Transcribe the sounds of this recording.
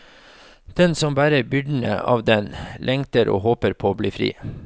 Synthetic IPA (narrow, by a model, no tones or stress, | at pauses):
d̪̥ɛnsɔmbæːɾəbʏɖn̩ə̰ʔɑ̰ːʋd̪ɛnlʔɛŋt̪əɾʔo̰ːhoːpəɾpʰoːbliːfɾḭː